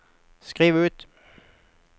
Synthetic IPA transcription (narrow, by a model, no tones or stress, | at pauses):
skʁiːʋʉːt̪